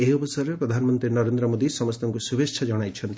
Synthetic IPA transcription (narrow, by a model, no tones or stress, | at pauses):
eɦiɔbɔsɔɾeppɾɔd̪ʱanɔmɔnt̪ɾinɔɾend̪ɾɔmod̪isɔmɔst̪ɔŋkusubʱet͡ʃʰad͡ʒɔɽ̃ajt͡ʃʰɔnt̪i